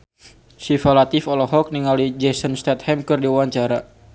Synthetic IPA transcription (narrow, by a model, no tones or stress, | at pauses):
sifalat̪ifɔlɔɦɔk̚niŋalid͡ʒɛsənst̪ɛt̪̚hɛmkɨrdiuaɲt͡ʃaɾa